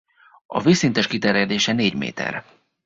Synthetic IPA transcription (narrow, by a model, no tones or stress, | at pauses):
ɒ̰visint̪ɛʃkit̪ɛɾjɛd̪eːʃɛneːɟmḛːt̪ɛ̰r